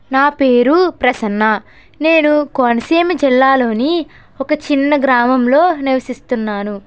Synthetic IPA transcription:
naːpe̞ːɾupɾɐsɐnːɐ | ne̞ːnukoːnɐseːmid͡ʒilːaːlo̞ːni | ɔkɐt͡ʃinːɐɡɾaːmɐmlo̞ːniʋɐsist̪unːaːnu

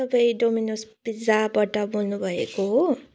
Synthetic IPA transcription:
ʌbʌjɖominosb̥id͡zabaʈʌbolnubʱʌḛkoɦ

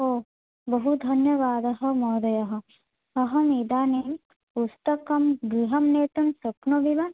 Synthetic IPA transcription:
oː | bɐɦud̪ʱɐnjɐʋaːd̪ɐɦɐ̆mɔːd̪ɐjɐɦɐ̆ | ɐɦɐmid̪aːnim | ust̪ɐkɐmbiɦɐmneːt̪unsɐpnoʋiʋɐn

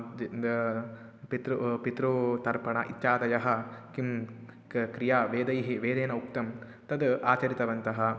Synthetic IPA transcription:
pit̪ɾupit̪ɾut̪ɐɾpɐɳɐʔit̪jaːt̪ɐjɐɦɐ̆kim | kɾijaːʋeːd̪ɐjɦiʋeːd̪eːnɐuk̚t̪ɐm | t̪ɐd̪aːt͡ʃɐɾit̪ɐʋɐnt̪ɐɦɐ̆

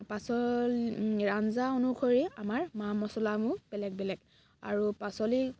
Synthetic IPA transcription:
pasɔlɹanzaonukʰoɹiamaɹmamɔsɔlamʊb̥ɛlɛɡ̚bɛlɛɡ | a̰ɹupasɔli

